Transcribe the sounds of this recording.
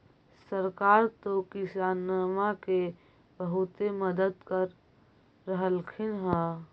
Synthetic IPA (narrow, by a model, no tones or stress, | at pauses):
səɾkaːɾt̪okɪsaːnəmake | bəɦut̪eməd̪əd̪kəɾː | əɦəlkʰɪnɦɛ